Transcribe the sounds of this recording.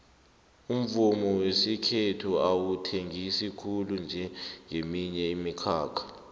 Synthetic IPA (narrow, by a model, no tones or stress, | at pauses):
um̩vumɔwesikʰetʰuawutʰeŋʱisikʰulund͡ʒʱɛŋʱemiɲɛimikʰaːkʰḁ